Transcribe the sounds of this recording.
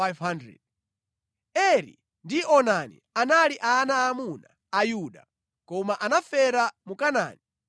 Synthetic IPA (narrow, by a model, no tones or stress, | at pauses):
ajvhandɾɛ̰d̚ | ɛɾḭ | ndiʔɔnanḭanaliʔanaːmuna̰ːjuɗa̰ | kɔmaʔanafɛɾamukana̰ːni